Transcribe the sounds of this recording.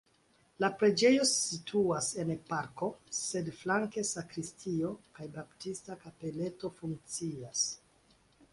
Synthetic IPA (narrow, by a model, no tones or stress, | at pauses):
lapɾe̞d͡ʒe̞jo̞sitʰuase̞npaɾko̞se̞dflaŋke̞sakɾistʰio̞kajbaptistakape̞le̞to̞fuŋk̚t͡sias